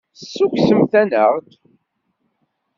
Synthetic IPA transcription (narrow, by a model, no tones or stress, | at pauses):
sːuksəmθænəʁt̪